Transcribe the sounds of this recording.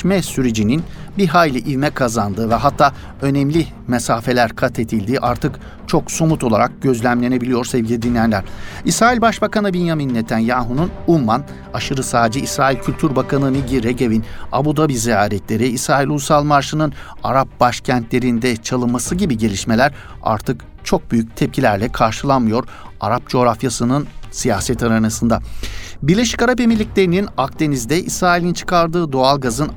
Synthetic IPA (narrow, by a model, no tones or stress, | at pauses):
mɛsyɾed͡ʒininbiɦaːjlʲiʔivmɛkʰazand̪ɯvɛɦat̪ʰːaː | ø̞nɛmlʲi | mesaːfe̞lʲæɾkʰat̪ʰe̞d̪ilʲd̪iːʔaɾt̪ʰɯk | t͡ʃʰo̞ksomut̪ʰo̞lˠaɾak̚ɟø̞zlʲæmlʲe̞ne̞bilʲijo̞ɾsɛvɟʲilʲid̪inʲːijænlʲæɾ̥isɾaːilʲbaʃbakanɯbinjaminːet̪ʰænjaːɦununumːan | aʃɯɾɯsaːd͡ʒɯʔisɾaːilʲcʰylʲt̪ʰyɾbakʰanɯmiɟiɾeɟevina̰bud̪abizijaːɾɛt̪lʲe̞ɾiːsɾaːilʲusalˠmaɾʃɯnɯna̰ɾap̚baʃcʰænt̪lʲe̞ɾind̪ɛt͡ʃʰalˠɯnmːasɯɟibiɟe̞lʲiʃme̞lʲæɾ | a̰ɾt̪ʰɯk | t͡ʃʰo̞k̚byjyc̚t̪ʰɛp̚cʰilʲæɾlʲɛkʰaɾʃɯlˠanmɯjo̞ɾ | a̰ɾap̚d͡ʒo̞ɾafjasɯnɯnsijaːsɛt̪ʰaɾanasɯnd̪abiɾlʲe̞ʃi̥kaɾap̬e̞milʲːicʲlʲe̞ɾininak̚t̪e̞nizd̪ɛʔisɾaːilʲint͡ʃʰɯ̥kʰaɾd̪ɯːd̪o̞alˠɡazɯn